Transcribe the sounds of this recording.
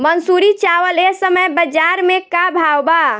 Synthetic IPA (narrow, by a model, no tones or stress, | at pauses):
mənsuɾit͡ʃawəlesəməjbəd͡ʒaɾmekabʱawba